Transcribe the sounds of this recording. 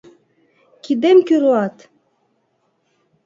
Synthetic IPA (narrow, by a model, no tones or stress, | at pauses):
kid̪emkyɾoɑt̪